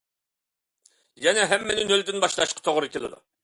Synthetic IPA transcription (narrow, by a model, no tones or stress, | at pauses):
jɛnɛɦɛmːɛnɪnøld̪ɪnbɑʃlˠɑʃqʰɑ̥t̪ʰoʁɾɨkʲelɪ̰d̪ṵ